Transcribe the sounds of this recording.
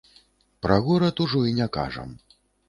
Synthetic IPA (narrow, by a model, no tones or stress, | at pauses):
pɾɐɣɔɾɐt̪uʐɔinʲaka̰ʐɐ̰m